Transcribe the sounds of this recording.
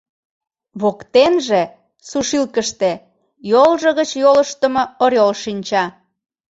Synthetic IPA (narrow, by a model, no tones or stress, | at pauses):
βokt̪enʒe | suʃilkəʃt̪e | jolʒɤ̆ɣət͡ɕjoləʃt̪əmooɾʲjolʃinʲt͡ɕɑ